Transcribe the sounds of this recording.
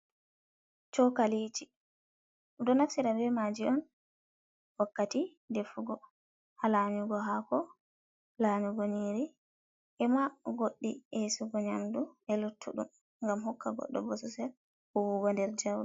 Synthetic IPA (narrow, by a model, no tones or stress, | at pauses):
t͡ʃɔkaliːt͡ʃi | dɔnafsiɾabɛmad͡ʒiʔɔn | wakːati | defuɡɔ | halaɲuɡɔɦakɔ | laːɲuɡoniɾi | ʔɛmaɡoɗːḭɛsuɡɔɲamduɛlutʰːṵɗṵm | ŋɡamhɔkːaɡɔ̰ɗːɔ̰bɔsɔsɛl | hɔwuwɔndɛɾd͡ʒawɾu